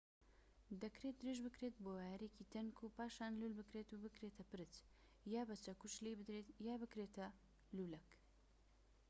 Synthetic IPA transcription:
d̪ɐkɾet̪̚d̪ɨɾeʒbɨkɾet̪̚bowajɾeciːt̪ʰɐnkʰupaːʃaːnlulbɨkɾet̪ubɨkɾeːt̪ʰɐpɨɾɨt͡s | jaːbɐt͡ʃɐkut͡ʃlebɨd̪ɾet̪jaːbɨkɾeːt̪ʰɐ | lulɛk

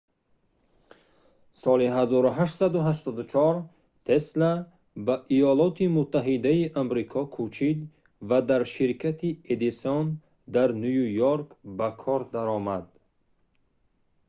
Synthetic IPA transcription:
sɔliɦazɔɾuɦaʃt̪sad̪uɦaʃt̪ɔd̪ut͡ʃʰɔɾ | t̪ʰesla | baʔijɔlɔt̪ʰimut̪ʰːaɦid̪aiʔamɾikʰɔkʰut͡ʃʰid̪ | vad̪aɾʃiɾkʰat̪ʰied̪ison | d̪aɾnujujoɾkbakʰɔɾd̪aɾɔmad̪

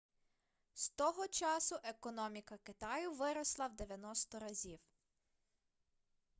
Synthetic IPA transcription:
st̪ɔɦɔt͡ʃɑsʊʔekɔnɔmʲikɐkɪt̪ɑjʊʋɪɾɔslˠɐwd̪eʋʲjɐnɔst̪ɔɾɐzʲiw

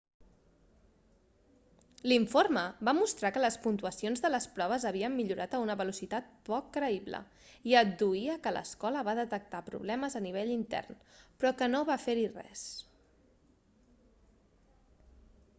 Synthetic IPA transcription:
liɱforməbamust̪ɾakələspunt̪uəsionzðələspɾɔβ̞əzəβiəmːiʎuɾʔat̪əunəβəlusit̪at̪̚pɔkːɾəiβlə̰ | iəd̪uiəkələ̰skɔləβaðət̪ək̚t̪apɾṵβ̞lɛməzəniβ̞eʎint̪ɛ̰rnpɾɔkənoβafeɾirɛ̰s

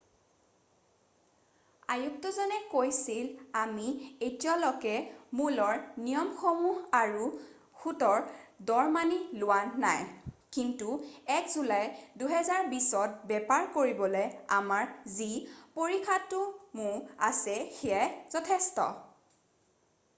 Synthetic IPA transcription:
a̰juk̚tɔzɔnɛkojsilamietiɔlɔkɛmulɔɹnijɔmxomuɦaɹu | xutɔɹdɔɹmanilʊwanajkintuɛkzulajduɦɛzaɹbisɔt̚bɛpaɹkoɹibɔlɔjamaɹzipoɹikʰatʊmʊɹa̰sɛxɛaz̥ɔtʰɛstɔ̰

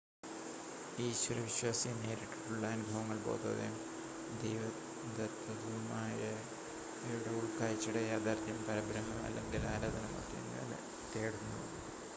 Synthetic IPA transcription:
iːɕʋɐɾɐʋiɕwaːsijɐne̞ːɾiʈːi̥ʈːuɭːɐɐnubʱɐʋɐŋːɐɭbo̞̰ːd̪o̰ːðḛm | d̪ejʋɐ | d̪ɐt̪ɐd̪umaːjɐ | eɽɐuɭkaːjit͡ɕːuɽejaːd̪ʱaːɾt̪jɐmpɐɾɐbɾɐmːɐmɐ̰lːḛŋɡilaːɾaːd̪ɐnɐmo̰ːt̪ːiḛnːa̰l̰ | t̪eːɽunːu

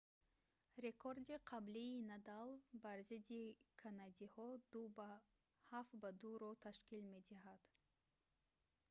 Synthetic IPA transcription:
ɾe̞kʰoɾd̪iqʰabliːnad̪alˠbaɾzid̪ikʰanad̪ihɔd̪ub | hafbad̪uɾɔt̪ʰaʃkilme̞d̪iɦad̪̥

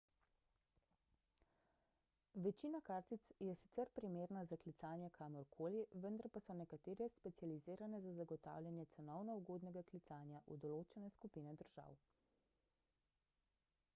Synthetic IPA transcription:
ʋɛt͡ʃiːnakaːɾt̪it̪sjɛsi̥t̪sɛɾpɾimeːɾnazaklit̪saːnjɛkʰaːmɔɾkʰoːliʋənd̪aɾpasɔnɛkat̪eːɾjɛspɛt̪sjaliziːɾanɛzazaɡɔt̪a̰ːwlʲjanjɛt̪sɛnɔwnɔuɡoːd̪nɛɡaklit̪saːnjaʔṵd̪ɔloːt͡ʃɛnɛskupiːnɛd̪əɾʒ̥a̰ːw

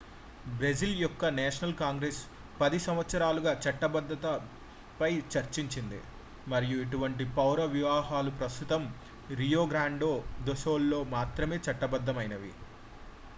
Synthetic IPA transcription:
bɾɐd͡ʒiljɔkːɐnɛːʂɐnɐlkaːŋɡɾes | pɐd̪isɐmʋɐt̪sɐɾaːluɡaːt͡ʃɐʈːɐbɐd̪ʱːɐt̪ɐ | pɐjt͡ʃɐɾt͡ʃiɲt͡ʃind̪ḭ | mɐɾijueʈuʋɐɳʈ̬ipɐwɾɐʋiʋaːɦaːlupɾɐst̪ut̪ɐm | ɾijoːɡɾaːɳɖoːd̪oʃoːlːo̞ːmaːt̪ɾɐme̞ːt͡ʃɐʈːɐbɐd̪ʱːɐmɐjnɐʋḭ

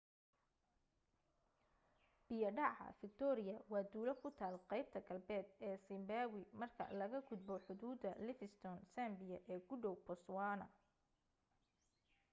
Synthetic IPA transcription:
b̥ɪjɐɖɑʕɑ̰fɪk̚t̪ʰɔɾɪjɐwɑːd̪uːlɐkʰʊt̪ʰaːlqɛjb̚t̪ʰɐɡɐlbɛːd̪ɛːsɪmbaːwɪmɐrkʰɐ̰lɐɣɐɡʊd̪bɔħʊðuːd̪ɐlɪfɪst̪ʰɔnsaːmbɪjɐʔɛːɡʊɖɔwpɔswɑːnɐ

